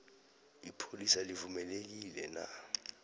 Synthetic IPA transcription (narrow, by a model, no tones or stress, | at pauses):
ipʰolisalivumɛlek̬ilɛna̰